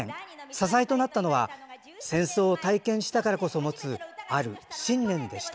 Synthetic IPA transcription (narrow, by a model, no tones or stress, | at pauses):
ẽsasait̪o̞nat̪ːano̞βa | sẽ̞ɰ̃so̞ːt̪aikẽ̞ɰ̃ɕi̥t̪akaɾako̞so̞mo̞t͡sɨaɾɯ̟ɕĩnːẽ̞nd̪e̞ɕi̥t̪a